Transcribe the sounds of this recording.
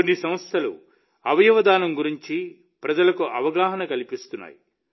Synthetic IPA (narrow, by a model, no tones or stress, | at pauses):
onːisɐmɐst̪ʰɐlṵ | ɐʋɐjɐʋɐd̪aːnɐmɡuɾiɲt͡ʃi | pɾɐd͡ʒɐlɐkuʔɐʋɐɡaːɦɐnɐkɐlipist̪unːa̰ːji